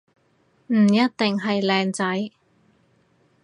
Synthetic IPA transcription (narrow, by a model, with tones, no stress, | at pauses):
m̩˨˩jɐ˥t̚t̪ɪ˨ŋɦɐ˨jlɛː˧ŋt͡sɐ˨˥j